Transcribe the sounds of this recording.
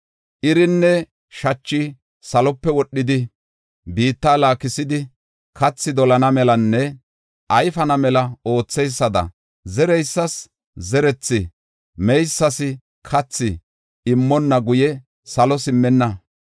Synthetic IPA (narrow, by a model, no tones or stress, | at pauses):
ʔɪɾɪnːɛ | ʃɐt͡ʃːɪ | sɐlɔpːɛwɔɗːɪd̪ɪ | biːt̪ːaːlaːkɪsɪd̪ɪ | kʰɐt͡sːɪd̪ɔlɐnɐmɛlɐnːɛ | ʔɐjfɐnɐmɛlɐo̞ːt͡sːɛjsːɐd̪ɐ̰ | zɛɾɛjsːɐs | zɛɾɛt͡sːɪ | mɛjsːɐsɪ | kʰɐt͡sːɪ | ɪmːɔnːɐɡʊjɛ | sɐlɔsɪmːɛnːɐ